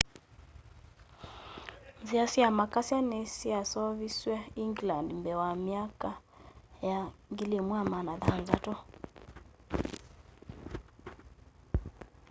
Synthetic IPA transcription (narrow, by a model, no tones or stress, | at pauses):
nziasiamakasianɛsiasɔviswɛiŋɡlandmbɛwamiaka | jaŋɡilɛmwamanaðanzatɔ